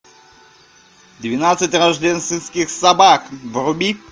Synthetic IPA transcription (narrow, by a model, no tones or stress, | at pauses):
d̪ʲvʲinat̪sʲɐtʲrɐʒd̪ʲɛnst̪ʋʲɪnsʲkʲɪxsɐbakʋrʊbʲi